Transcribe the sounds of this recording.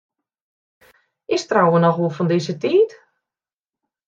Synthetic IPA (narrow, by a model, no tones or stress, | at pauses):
ɪstrawənɔxʋolˠfɔndɪzətiːt